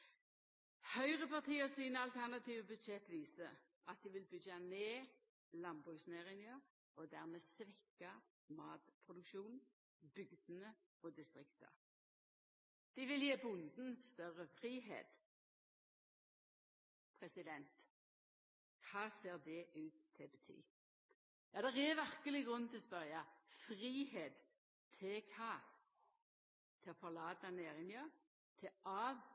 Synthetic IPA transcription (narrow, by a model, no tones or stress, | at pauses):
hœʏʁəpɑʁt̪ʰiːəsiːnəɑlt̪ʰæʁnɑt̪iːʋəbʉd̪ʃɛt̪ːʋiːsə | ɑt̪̚d̪ɪʋɪlbʏɡɑneː | lɑnbʁʉːɡsneːʁɪŋə | ɔd̪æːʁmeːsʋɛkːɑ | mɑːt̪pʰʁʊd̪ʉkʃuːn | b̥ʏɡd̪ənə | ɔːd̪ɪst̪ʁɪkt̪ə̰ | d̪̥ɪʋɪljeːbʊnd̪n̩st̪œʁəfʁiːɦḛːt̪ | pʰʁɛsɪd̪ɛnt̪ | kʰɑːseːʁd̪ɛʔʉːt̪ʰːɪbət̪ʰy̰ː | jɑːd̪ɛʁɛʋæʁkəlɪɡʁʉnːt̪ʰɪlɔspœʁjɑfʁiːheːt̪ | t̪ʰːɪkʰɑː | t̪ʰɪfɔʁlɑːt̪ɑneːʁɪnjøː | t̪ʰɪɑːʋ